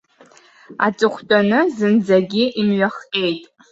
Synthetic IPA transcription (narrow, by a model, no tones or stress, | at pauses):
a̰t͡sʼɨχʷt͡pʼanɨzɨnd͡zaɡʲiʔimɥaχqʲʼe̞jtʼ